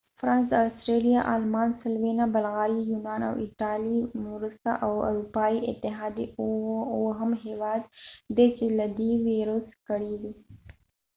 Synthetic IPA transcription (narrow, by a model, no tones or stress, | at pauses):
fɾɑnsastɾelijaʔalmɑnsɪlwenabalɣɑɾijunɑna̰wɪ̰ʈɑlimɾust̪a̰ʔawa̰ɾupɑiɪt̪ɪɦɑd̪i | wɦamɦewɑd̪ːet͡ʃelad̪eweɾoskəɽiw̪i